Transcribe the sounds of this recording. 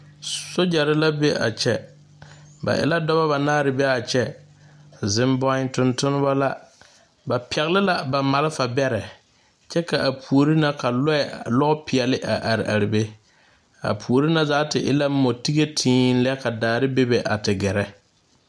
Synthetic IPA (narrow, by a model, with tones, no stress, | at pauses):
so˦d͡ʒa˨ɾɪ˦la˦be˦ʔa̰˨t͡ʃɛ˦ | ba̰˨ʔɪ̰˦la˦dɔ˦ba˦βa˨naː˦ɾɪ˨bɛ˦a˨t͡ʃɛ˦ | zɪ˦mbɔ˦ɪ˦ntʊ˦ntʊ˦nɪ˦ba˦la˦ | ba˨pʰɛ˨ɣɪ˦lɪ˦la˦ba˨ma˨lɪ˦fa˨bɛ˦ɾɛ˨ | t͡ʃɛ˦ka˨ʔa˨pʰu˨o˨ɾi˦na˦ka˨lɔ˦ɛ˨lɔ˦ɔ˦pɪ˨ɛ˨lɪ˦ʔa˨ʔa˨ɾɪ˨ʔa˨ɾɪ˨be˦ | a̰˨pʰu˨o˨ɾi˦na˦zaː˨˦tɪ˨ʔɪ̰˦la˦mo˨ti˦ɣe˦tʰĩː˦n̩˦lɛ˦ka˨daː˨ɾɪ˦be˦be˨ʔa̰˨tɪ˨ɡɛ˨ɾɛ˨